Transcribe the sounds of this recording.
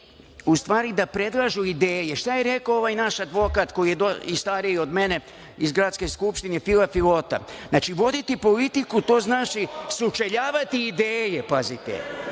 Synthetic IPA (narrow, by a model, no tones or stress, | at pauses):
ust̪ʋaːɾid̪apɾe̞d̪lˠaʒuid̪eːjeʃt̪ajeɾe̞koo̞ʋajnaʃad̪ʋo̞kat̪ko̞jijed̪oist̪aːɾijiod̪me̞ne̞ | izɡɾat̪ske̞skupʃt̪inefilafilo̞t̪a̰znat͡ʃiʋo̞d̪it̪ipo̞lit̪ikut̪o̞ːznaːt͡ʃisut͡ʃeʎaːʋat̪iːd̪eːjepazit̪ḛ